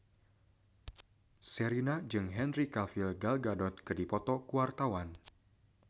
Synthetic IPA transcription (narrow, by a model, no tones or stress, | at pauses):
sɛɾinad͡ʒɨŋɦɛnrikalfilɡalɡadɔt̪̚kɨdipɔt̪ɔkuwart̪awan